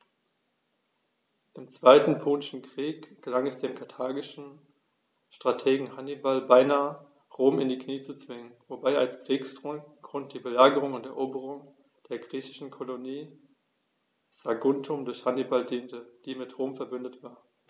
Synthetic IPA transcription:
ʔɪmt͡sv̥aɪtn̩pʰoːnɪʃn̩kʁ̥iːkɡ̥əlaŋɛsd̥eːmkʰaɐtʰaːɡɪʃn̩ | ʃtʁ̥atʰeːɡŋ̩hanibalbaɪnaːə | ʁoːmɪndiːkniːt͡sut͡sv̥ɪŋənvobaɪalskʁ̥iːksɡ̥ʁʊnt̚d̥iːbəlaːɡəʁ̞ʊŋʊntɛɐʔoːbəʁʊŋ | d̥eːɐɡʁiːçɪ̥ʃn̩kʰoloniː | z̥aɡʊntʰʊmdʊɐçhanibaldiːntəd̥iːmɪtʁoːmfɛɐbʏndətv̥aːɐ

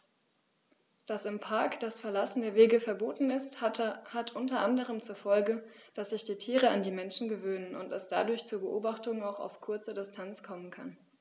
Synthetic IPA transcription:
d̥asɪmpʰaɐkd̥asfɛɐlasn̩deːɐveːɡəfɛɐboːtn̩ɪsthatʰʔʊntɐʔandəʁ̞əmt͡suːɐfɔlɡəd̥asz̥ɪçd̥iːtʰiːʁəandiːmɛnʃn̩ɡəvøːnənʊ̰ntɛsd̥a̰dʊɐçt͡suːɐbəʔoːbaχtʊŋaʊxa̰ʊfkʰʊɐt͡sədɪstʰant͡skʰɔmənkʰan

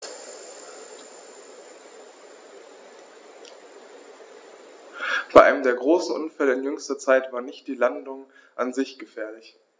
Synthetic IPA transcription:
b̥aɪʔa̰ɪləmdeːɐɡʁoːsn̩ʔʊnfɛləɪnjʏŋstɐt͡saɪtv̥aːɐnɪçt̚d̥iːlandʊŋ | ʔanzɪçɡ̥əfɛːɐlɪç

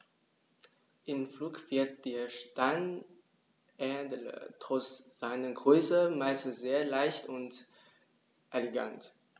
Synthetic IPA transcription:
ʔɪmfluːkv̥ɪɐt̚d̥eːɐʃtaɪn | ʔɛdələ̰tʁ̥ɔt͡sz̥aɪnəɡʁøːsəmaɪsz̥eːɐlaɪçtʊnt | ʔeleɡa̰nt

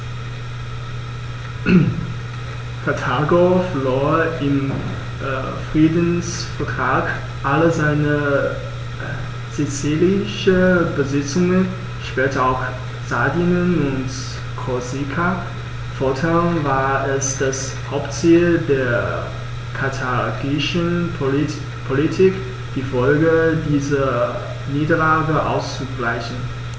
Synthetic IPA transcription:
kʰatʰaɡofloːɐɪm | fʁ̥iːdən̩s | fɛɐtʁ̥aːk | ʔaləzaɪnə | z̥it͡silɪʃəbəzɪt͡sʊŋən | ʃpɛːtəaʊx | z̥adinənʊnt | kʰɔzikʰa | fɔɐtʰamvaːɐʔɛsd̥as | haʊptt͡siːldeːɐ | kʰatʰaɡɪʃən | pʰolitʰik | d̥iːfɔlɡədiːzɐ | niːdɐlaːɡəʔa̰ʊst͡suɡlaɪçn̩

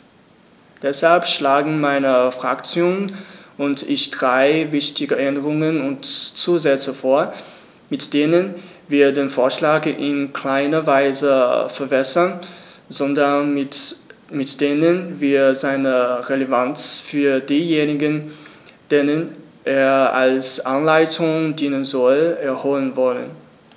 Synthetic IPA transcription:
d̥ɛshalpʃlaːɡŋ̩maɪnəfʁ̥akt͡sjoːnʔʊntɪçd̥ʁaɪvɪçtɪɡəʔɛndəʁʊŋənʊntt͡suːzɛt͡səfoːɐ | mɪtd̥eːnənviːɐdeːnfoːɐʃlaːɡʔɪnkʰl̥aɪnɐvaɪzəfɛɐbɛsɐn | zɔndɐn | mɪtd̥eːnənviːɐzaɪnəʁelevant͡sfyːɐdiːjeːnɪɡən | d̥eːnən | ʔeːɐa̰lsʔanlaɪtʰʊŋdiːnənzɔlɛɐhoːlənvɔlə̰n

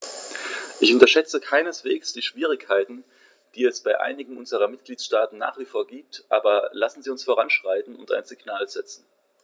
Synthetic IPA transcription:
ʔɪçʊntɐʃɛt͡səkʰaɪnəsv̥eːksd̥iːʃv̥iːʁ̞ɪkʰːaɪtn̩ | d̥iːɛsb̥aɪʔa̰ɪnɪɡŋ̩ʔʊnzəʁ̞ɐmɪt̚ɡ̥liːtʃtaːtn̩na̰ːχv̥ifoːɐɡiːp̚tʔa̰ːbɐlasn̩ziːʊnsfoːʁ̞anʃʁ̥aɪtn̩ʊnta̰ɪnzɪɡnaːlzɛt͡sn̩

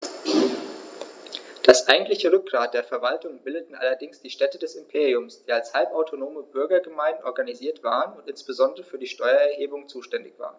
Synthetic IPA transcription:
d̥asʔaɪɡŋ̩tlɪçəʁʏk̚ɡ̥ʁaːt̚d̥eːɐfɛɐvaltʊŋbɪldətn̩ʔa̰lɐdɪŋsd̥iːʃtɛtədɛsɪmpʰeːʁiʊmsd̥iːalshalpaʊtʰonoːməbʏɐɡɐɡəmaɪndn̩ʔɔɐɡaniziːɐtv̥a̰ːʁənʊntʔɪnsb̥əzɔndəʁəfyːɐdiːʃtɔʏɐɛɐheːbʊŋt͡suːʃtɛndɪçv̥a̰ːʁən

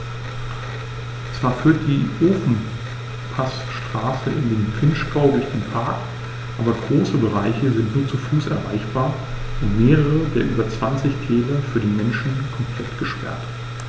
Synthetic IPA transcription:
t͡sv̥aːɐfyːɐt̚d̥iːʔoːfn̩ | pʰas | ʃtʁ̥aːsəʔɪndeːnpʁ̥ɪnʃɡaʊdʊɐçd̥eːnpʰaɐk | ʔaːbɐɡʁoːsəbəʁaɪçəzɪntnuːɐt͡sufuːsɛɐʁa̰ɪçb̥aːɐ | ʔʊntmeːʁəʁədeːɐʔyːbɐt͡sv̥ant͡sɪçtʰɛːlɐfyːɐɾeːnmɛnʃn̩kʰɔmpʰl̥ɛtɡ̥əʃpɛ̰ɐt

